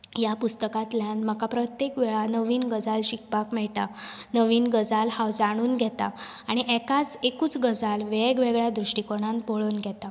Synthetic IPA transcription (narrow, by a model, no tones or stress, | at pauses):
japust̪əkat̪ljanm̤əkapɾət̪jekʋɛɭanəʋiːnɡəd͡zalɕik̚pakmɛɭʈanəʋiːnɡəd͡zalhawd͡zaɽ̃uːnɡʱɛt̪a̰aɽ̃iʔɛkat͡sekuːt͡sɡəd͡zalʋɛɡʋeɡɭjad̪ɾuʂʈikoɽ̃anpoɭonɡʱɛt̪a